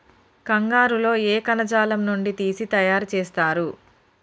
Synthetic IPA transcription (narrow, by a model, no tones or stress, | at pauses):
kɐŋɡaːɾulo̞ːeːkɐnɐd͡ʒaːlɐmnuɳɖit̪iːsit̪ɐjaːɾut͡ʃeːst̪aːɾu